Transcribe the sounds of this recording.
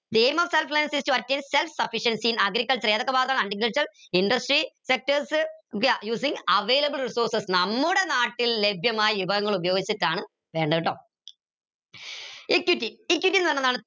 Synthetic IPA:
d̪eːmɐfselflejɐnsistuɐtːeːnselfsɐfiʂɐnsinɐɡɾikːɐlt͡ɕɐɾeːðokːɐbaːɐt̪ːaːɳɐɳɖikːɐlt͡ɕɐrinɖɐsʈrisek̚tɐrskjuːsiŋɐʋejlɐbɨlrisoːrsɐsnɐmːuɽe̞naːʈːillebʱjɐmaːjɐʋibʱɐɣɐŋːɐɭubɐjo̞ːɡit͡ɕːɐtːaːɳɨ | ʋe̞ːɳɖɐʋiʈːoː | ikːjutːiikjutːinːɐnːɐðaːɳɨ

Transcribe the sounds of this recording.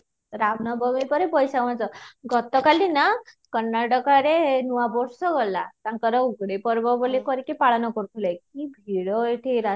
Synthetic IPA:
ɾamnɔbɔmipɔɾepɔjsaant͡sɔɡɔt̪ɔkalinakɔnːaɖɔkaɾenuabɔɾsɔɡɔlat̪aŋkɔɾɔuɡɽepɔɾbɔbolekɔɾikepaɽanɔkɔɾut̪ʰulajkibʱiɽɔeʈʰiɾa

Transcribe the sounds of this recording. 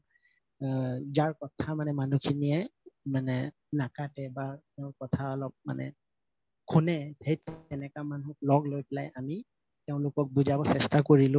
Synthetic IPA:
zaɹkɔtʰamanɛmanukʰiniɛmanɛ | nakatɛbatɛʊ̃kɔtʰaɔlɔp̚ma̰nɛ̰ | kʰunɛhejtɛnɛkamanʊk̚lɔɡlojpɛlajami | tɛʊ̃lʊkɔk̚buzabɔsɛstakoɹilʊ̃

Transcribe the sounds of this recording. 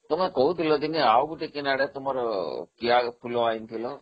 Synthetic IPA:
t̪ɔmɛkɔɦut̪ʰilɔd̪iniawbuʈikinaɽet̪ɔmɔɾɔkiapʰulɔaint̪ʰilɔ

